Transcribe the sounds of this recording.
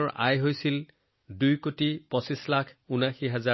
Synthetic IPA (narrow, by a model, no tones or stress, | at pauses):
a̰jɦojsil | dujkotipɔsislakʰunaxiɦaza